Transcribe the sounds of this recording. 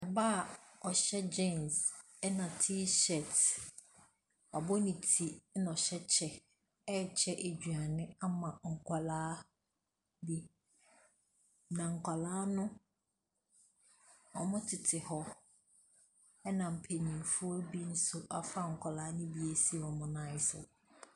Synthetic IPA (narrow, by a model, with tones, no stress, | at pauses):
ɛ˨ba˦˨ɔ˨ɕɛ˦d͡ʑɛ̃˦ns | ɛ˦nã˨tʰi˦ʃɛ˨t | ɔ˨bɔ˦nĩ˨tʰi˨˦na˨ɔ˨ɕɛ˦t͡ɕʰɛ˨ | ɛ˦˨t͡ɕʰɛ˦ʔe˨d͡ʑᶣɥa˨nɪ̃˦a˦mã˨ŋ̩˨kʰʷa˨laː˦ | bi˦ | nã˨ŋ̩˨kʷʰa˨laː˦nʊ̃˦ | ɔ˨mʊ̃˦tʰɪ˨tʰɪ˨hɔ˦ | ɛ˦nã˨m̩˨pʰe˨nĩ˨fʊ˦ɔ˦bi˦n̩˦sʊ˦ʔa˨fa˦ŋ̩˨kʷʰa˨laː˨˦nʊ̃˦bi˦e˨si˦˨ɔ˨mʊ̃˨nã˦ɪ˦sʊ̰˨